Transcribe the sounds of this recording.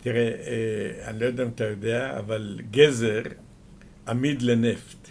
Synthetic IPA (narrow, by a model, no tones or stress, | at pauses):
tiʁe | anlojdamt̪ajodeaa̰valɡɛzɛʁ | amidlenɛft